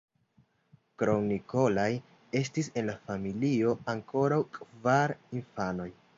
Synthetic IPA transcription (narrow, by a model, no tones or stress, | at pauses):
kɾo̞ŋniko̞laj | e̞stise̞nlafamilio̞aŋkʰo̞ɾawkʼvaɾinfano̞j